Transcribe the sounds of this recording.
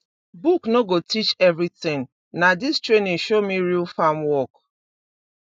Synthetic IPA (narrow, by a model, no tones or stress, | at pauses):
buknoɡotit͡ʃɛvɾitɪ̃ŋ | nadistɾenĩʃomiɾilfamwɔk